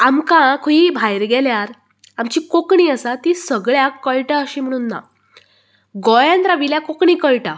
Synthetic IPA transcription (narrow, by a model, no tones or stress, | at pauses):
amkãkʰoibʱajɾɡɛljaɾ | amt͡ɕiːkokɳiːəsat̪isəɡɭjakːəɭʈaəɕiːm̤əɽ̃uːnːa̰ | ɡɔjand̪ɾaʋiljakokɳiːkəɭʈã